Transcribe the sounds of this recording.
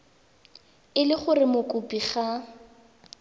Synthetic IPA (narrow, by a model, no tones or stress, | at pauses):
ɪlɪχʊrɪmʊkʼʊpʼiχa